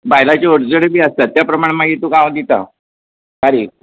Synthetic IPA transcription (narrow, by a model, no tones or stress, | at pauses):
bajlat͡ɕeoɽd͡zəɽebiːəst̪at̪japɾəmaɳ̃maɡit̪ukãʋad̪it̪a̰ | kaɾiːk̚